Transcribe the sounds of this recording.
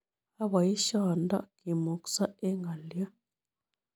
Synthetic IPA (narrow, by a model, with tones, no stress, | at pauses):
a˦βa˨ji˦ʃɔ˨nda̰˦ki˨mu˨ksa˦e˦ŋɡa˨lja˦